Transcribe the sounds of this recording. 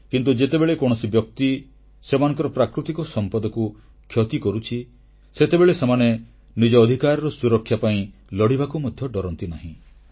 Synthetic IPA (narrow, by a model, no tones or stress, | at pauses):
kint̪ud͡ʒet̪ebeɭekɔɽ̃ɔsibjɔk̚t̪i | semanɔ̃ŋkɔɾɔpɾakɾut̪ikɔsɔmpɔd̪ɔku | kʰjɔt̪ikɔɾut͡ʃʰi | set̪ebeɭesemane | nid͡ʒɔːd̪ʱikaɾɔɾɔsuɾɔkʰːjapaĩlɔɽibakumɔd̪ʱjɔɖɔɾɔnt̪inaɦĩ